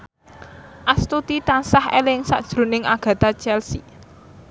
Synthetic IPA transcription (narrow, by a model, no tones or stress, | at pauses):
ʔast̪ut̪it̪ansahḛlɪŋsa̰ʔd̥ʒ̥ɾo̤nɪŋaɡ̥ä̤t̪at͡ʃɛlsḭ